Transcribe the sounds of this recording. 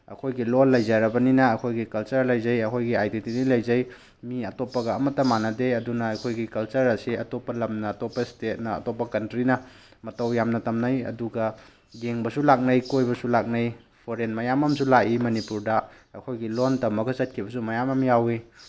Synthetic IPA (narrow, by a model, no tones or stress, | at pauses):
ɐ̰kʰojɡilonlɐjzaɾɐbɐninɐɐkʰojɡikɐlt͡ʃɐɾlɐjzɐjɐkʰojɡiajdentinilɐjzɐj | miɐtopːɐɡɐːmɐtːɐmanɐdeɐdunɐːkʰojɡikɐlt͡ʃɐɾɐsiɐtopɐlɐmnɐːtopɐstet̚nɐɐ̰topɐkɐntɾinɐ | mɐtɐwjamnɐtɐmnajɐ̰duɡɐ | ɡeŋbɐsulak̚nɐjkojbɐsulak̚naj | pʰoɾenmɐjamɐmsulaʔimɐnipuɾda | ɐkʰojɡilontɐmːɐɡɐzɐt̚kʰibɐsumɐjamɐmjawi